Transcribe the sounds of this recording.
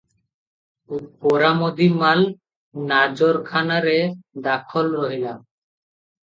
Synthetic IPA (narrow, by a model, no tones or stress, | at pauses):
upoɾamod̪imal | nad͡ʑoɾkʰanaɾed̪akʰolɾɔɦilam